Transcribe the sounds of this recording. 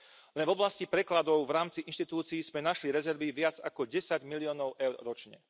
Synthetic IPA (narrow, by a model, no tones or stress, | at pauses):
lɛnvɔblascipɾɛklad̪ɔʊvɾaːmt͡siʔinʃt̪it̪uːt͡siːz̥mɛnaʃliɾɛzɛɾʋiʋɪad͡zakɔɟɛsaɟmiliɔːnɔʊʔɛʊɾɾɔt͡ʃɲɛ